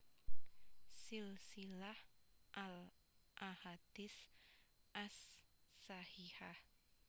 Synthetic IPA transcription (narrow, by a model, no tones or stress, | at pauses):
silsilahʔalʔahad̪̥is | ʔasː | ahihah